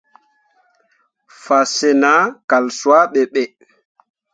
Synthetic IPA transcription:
fa˨se˨na˦ka˨lsu˨a˦ɓɛ˨ɓɛ˨

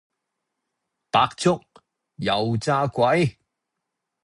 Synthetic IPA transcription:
paː˧k̚t͡sʊ˥k̚ | jɐ˨˧wt͡saː˥kʷɐ˨˥j

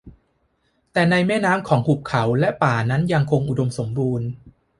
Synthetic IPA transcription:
t̪ɛː˨˩na˧jmɛː˥˩naː˦˥mkʰɔː˩˦ŋhʰu˨˩p̚kʰa˩˦wlɛ˦˥ʔpaː˨˩na˦˥nja˧ŋkʰo˧ŋʔu˨˩do˧mso˩˦mbuː˧n

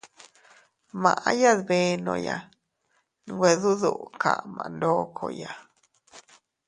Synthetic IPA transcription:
mã̰˨ʔã˦ja˦ðβe˧˦nõ̰˧˨ja˨ | ñ˧ɡʷe˧ðu˦ðu˦ʔkʰa̰˨ʔmã̰˨˧˨ndoː˦kʰo˧ja˨

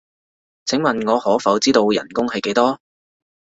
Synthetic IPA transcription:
t͡sʰɪ˨˥ŋmɐ˨nŋɔː˨˧hɔː˨˥fɐ˨˥wt͡siː˥t̪o˧wjɐ˨˩nkʊ˥ŋhɐ˨jke˨˥jt̪ɔː˥

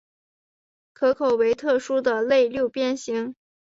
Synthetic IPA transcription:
kʰɤ˧˥kʰo˨˩ʊwe˧˥ɪt̪ʰɤ˥˩ʂu˥d̪ə˨le˥˧ɪljo˥˧ʊpjɛ˥nɕi˧˥ŋ

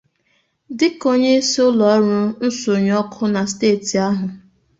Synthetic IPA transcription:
dɪ˦ko˦ɲe˦sʊ˦lɔ˨˦ɾʊ˦n̩˦so˨ɲ˦ɔ˦kʰʊ˦na˨steː˦˨ti˨a˦ɦʊ˨

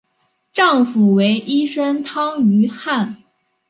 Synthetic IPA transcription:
ʈ͡ʂɑ˥˩ŋfu˨˩we˧˥ɪʔi˥ʂə˥nt̪ʰɑ˥ŋy˧˥xa˥˩n

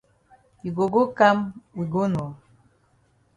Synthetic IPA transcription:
i˨ɡo˨ɡo˦ka˦mwi˨ɡo˦n˨ɔ˨

